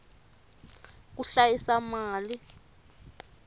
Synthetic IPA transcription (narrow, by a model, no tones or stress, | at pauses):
k̬uɬajisamaːli